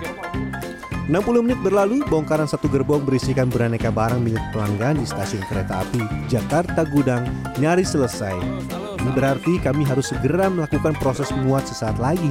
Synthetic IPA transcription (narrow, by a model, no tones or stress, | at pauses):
ənampuluhmənɪt̪̚bərlalubɔŋkaɾansat̪uɡərbɔŋbəɾisikanbəranekabaɾaŋmilɪt̪̚pəlaŋɡaːndist̪asiʊnkəɾet̪a̰ːpid͡ʒakart̪aɡudaŋ | ɲaɾisələsa̰j | ibəɾart̪ikamiɦaɾʊsːəɡəɾaməlakukanpɾosɛsmuat̪̚səsaːt̪laɡi